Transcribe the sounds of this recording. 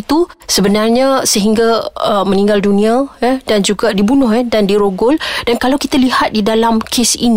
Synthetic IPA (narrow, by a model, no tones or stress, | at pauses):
t̪usəbənarɲãsəɦiŋɡaəmə̃niŋɡaldunĩajədand͡ʒuɡadibunʊhadandiɾoɡʊldankalawkit̪alihat̪̚didalamkʰesḭn